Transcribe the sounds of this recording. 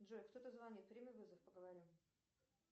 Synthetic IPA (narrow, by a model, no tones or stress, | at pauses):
dʐojkt̪ot̪əzvɐnʲit̪̚pɾʲimʲɪvɨzəfpəɡəvɐɾʲim